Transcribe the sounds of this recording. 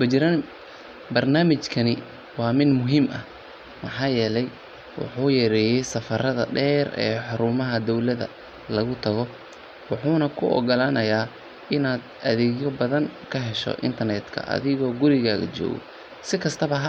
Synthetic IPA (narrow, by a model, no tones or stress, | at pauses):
bɐt͡ʃɪɾan | bɐrnaːmɪt͡ʃkʰɐnɪ | wɑːmɪd̪mʊɦimʔɐ | mɐħɑːjɛːlɛj | wɑ̰ħuːjɐɾɛːjɛjsɐfɐɾɐðɐ̰ɖɛːrɛ̰ːħɑɾʊːmɐɦɐd̪ɔwlɐðɐ̰ | lɐɣʊt̪ʰɐɣɔ | wɑħuːnɐkʰʊʔɔ̰ɡɐlaːnɐjaː | ɪnaːd̪ | ɐðɛːɣjɔbɐðɐŋkʰɐɦɛʃɔ̰ʔɪ̰nt̪ʰɐrnɛːd̪kʰɐ̰ʔɐ̰ðɪɣɔːɡʊɾɪɣaːɣɐ̰t͡ʃɔ̰ːɣɔ̰ | sɪkʰɐst̪ʰɐβɐɦ